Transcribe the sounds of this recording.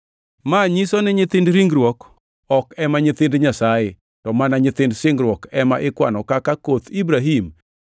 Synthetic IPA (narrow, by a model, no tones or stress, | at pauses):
maɲisɔnɛɲɪt̪ɪndɾiŋɡɾwɔk | ɔkɛmaɲɪt̪ɪndɲasajɪ | tɔmanaɲɪt̪ɪndsɪŋɡɾwɔkɛmaʔɪkwa̰nɔkakakot̪ibɾaɦim